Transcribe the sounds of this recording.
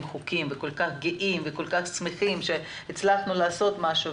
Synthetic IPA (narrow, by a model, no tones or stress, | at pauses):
mχukimveko̞lkaχɡeʔimvekolkaχsmeχimʃe̞ | hit͡slaχnulaːso̞t̪maʃu